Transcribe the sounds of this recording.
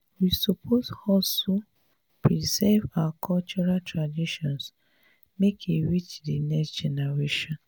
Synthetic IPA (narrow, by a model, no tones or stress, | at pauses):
wisopʰozɔstu | pɾizɛvakʰɔlt͡ʃɔɾatɾadiʃɔ̃ns | mekʰeɾit͡ʃdinɛksd͡ʒɛnɛɾeʃɔ̃n